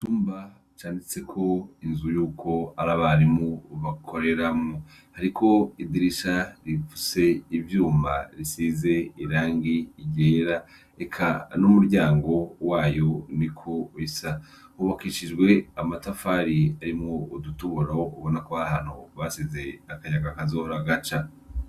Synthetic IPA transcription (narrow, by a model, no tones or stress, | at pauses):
tuːmba | t͡ʃaːndit͡se̞kʰo̞inzujuːkʰo̞aɾaβaɾimuβakʰoɾe̞ɾamŋo | haɾikʰo̞idiɾiʃaɾifu̥se̞ivjuːmaɾisize̞iɾaːŋɡiːɟeɾa | ekʰanumuɾɟaːŋɡo̞waːjo̞nikʰoisa | huβakiʃid͡ʒɡwe̞amatafaːɾiaɾimŋoudutuβuɾaouβo̞nakoβaahanhoβasize̞akaɲaɡakazoːhoɾaɡat͡ʃa